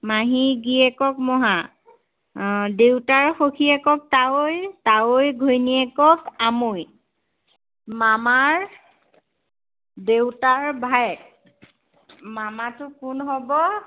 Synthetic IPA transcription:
maɦiɡiɛkɔk̚mɔɦa | dewtaɹxokʰiɛkɔk̚tawojtawojɡʱojniɛkɔkamoj | mamaɹ | dewtaɹbʱajɛk̚ | mamatʊkunɦɔbɔ

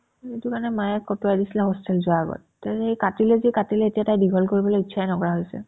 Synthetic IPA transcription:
etʊkanɛmajɛkɔtuajdisilɛɦɔstɛlzʊaɡɔ̰t̚ːaejkatilɛzikatilɛetijatajbiɡʱɔlkoɹibɔlojitːʃʰanɔkɔɹaɦojsɛ̰

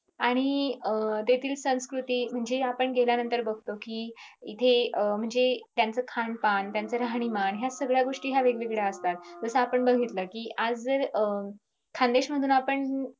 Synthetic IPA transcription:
aɽ̃iət̪et̪ʰiːlsə̃skɾut̪iːm̤əɳd͡zeapəɳɡeljanənt̪əɾbəɡ̚ʱt̪okiːit̪ʰeəm̤əɳd͡zet̪jant͡səkʰaɳpant̪jant͡səɾaɦɽ̃imanɦjasəɡɭjaɡoʂʈiːɦjaʋeɡʋeɡɭjaəst̪at̪̚d͡zəsəapəɳbəɡʱit̪ləkiːʔad͡zəɾə | kʰand̪eɕməd̪ʱuːnapəɳ

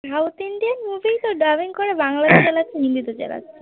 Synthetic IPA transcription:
ɾawt̪iɳɖianmubʱijt̪oɖabiŋkoɾebaŋlad̪et͡ɕelatːʰenind̪it̪ot͡ɕḛla̰tːʰee

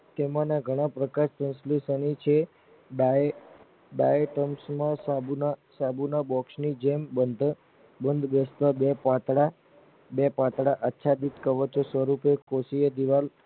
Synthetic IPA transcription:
t̪emãnaɡʱəɽ̃ãpɾəkaɾsə̃nslisənit͡ʃʰe | bajeʈəmsmãsabunasabunabɔksnid͡ʒembənd̪ʱ | bənd̪ʱɡəst̪abepat̪ɽa | bepat̪ɽaʔətːʃʰad̪it̪kəʋət͡ʃosʋəɾupekosiəd̪iʋal

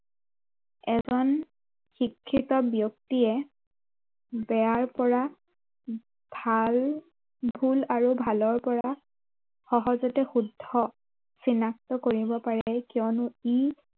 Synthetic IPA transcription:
ɛzɔn | xikʰːitɔbijɔktiɛ | bɛaɹpɔɹa | bʱal | bʱulaɹubʱalɔɹpɔɹa | xɔɦɔzɔtɛxudʱːɔ | sinaktɔkoɹibɔpaɹɛkiɔnʊi

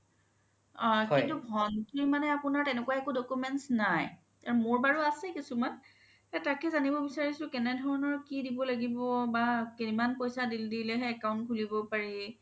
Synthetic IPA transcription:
ɔkĩntubʱɔntuɹmanɛapunaɹtɛnɛkuwaɛkudɔkumɛntsnaj | aɹumoɹbaɹuasɛkisuman | hɛtakɛzanibɔbisaɹisʊ̃kɛnɛdʱɔɹɔnɔɹkidibɔlaɡibɔbakinimanpɔjsadildilɛɦɛɛkaʊ̃nt̚kʰulibɔpaɹi

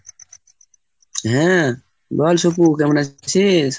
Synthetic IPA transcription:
ɦẽ | bɔːlsupukemnasis

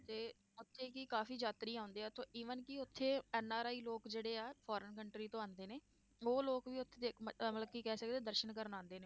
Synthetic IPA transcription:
t̪eː | ʊt̪ʰːeːkikaːfiːd͡ʒaːt̪ɾiːãːʊ̃nd̪eːɛːt̪ʰoːʔiːʋənkɪʊt̪ʰːeːɛːnaːɾaːiːloːkd͡ʒeːɽeːaːpʰɔːɾənkəɳʈɾiːt̪õːaːnd̪eːneː | oːloːkʋiːʊt̪ʰːeːd̪eːkːləb̚kiːkɛːsək̚d̪eːd̪əɾʃənkəɾnãːnd̪eːneː

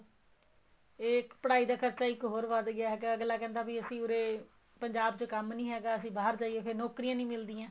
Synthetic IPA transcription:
eːkpəɽaːiːd̪aːkʰəɾt͡ʃaːɪkɦoːɾʋad̪ɡɪaːɦɛːɡaəɡlaːkɛ̃ːnd̪aːbiːəsĩːʊɾeː | pəɲd͡ʒaːbt͡ʃokəmnĩːɦɛːɡaːəsĩːbaːɦəɾd͡ʒaːieːpʰɪɾnɔːkɾijãːnĩːmɪld̪iːãː

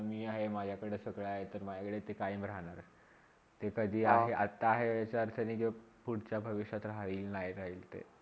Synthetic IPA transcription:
miːaɦemad͡ʑʱjakəɽesəɡɭaaɦet̪əɾmad͡ʑakəɽet̪ekaiːmbɾaɽ̃aɾ | t̪ekəd̪ʱiːaɦeʔat̪ːaːɦeat͡ɕaɾt̪ʰəniki | puɽt͡ɕjabʱəʋiɕat̪ɾaʋiːlnaɦjɾaɦiːlt̪ḛ

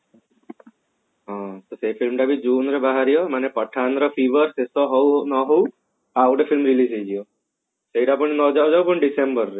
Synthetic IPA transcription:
ɦɔ̃t̪osefilmʈabid͡ʒunɾebaɦaɾijɔmanepəʈʰanɾɔpʰiʋəɾsesɔɦɔwnɔɦɔw | awʈefʰilmɾilisejd͡ʒijo | seiʈapəɳnɔd͡ʒawd͡ʒawpəɳɖisembəɾːe

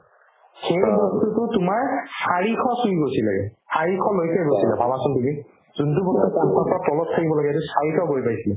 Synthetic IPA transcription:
xejbɔstutʊtʊmaɹsaɹikʰɔsujɡojsilaɡɛ̰saɹikʰɔlojkajɡojsilabʱabasɔntumi | zuntubɔstukanpʰɔpɔɹatɔlɔt̚tʰakibɔlaɡɛtʊsaɹikʰɔɡojpajsilɛ

